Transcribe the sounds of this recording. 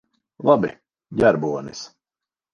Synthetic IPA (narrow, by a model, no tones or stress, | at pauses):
lˠabḭ | ɟʲæɾbuɔnḭs